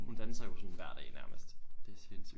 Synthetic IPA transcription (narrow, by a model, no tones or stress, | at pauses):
hund̥ænsɐjosɔnʋæɐ̰d̥ɛ̰ːnæɐməsd̥d̥esens